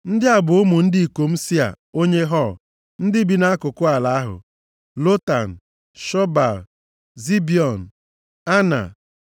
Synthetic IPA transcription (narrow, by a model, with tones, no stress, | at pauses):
n̩˦dɪ˦a˨bʊ˨ʊ˦mu˨n̩˦dɪ˦i˨ko˨m̩˦si˦a̰˨ | o˦ɲe˦ɦɔ˦˨ | n̩˦dɪ˦bi˦na˦a˦kʊ˨kʊ˦a˨la˨a˦ɦʊ̰˨ | lo˦ta˨n̩˨ | ʃɔ˦ba˨ | zi˦bi˨ɔ˨n̩˨ | a˦na̰˨